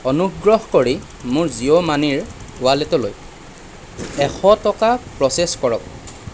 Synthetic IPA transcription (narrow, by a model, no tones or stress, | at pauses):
ɔnuɡɹɔhkoɹi | mʊɹziomaniɹʊwalɛtɔloj | ɛxʰɔtɔkapɹɔseskɔɹɔk̚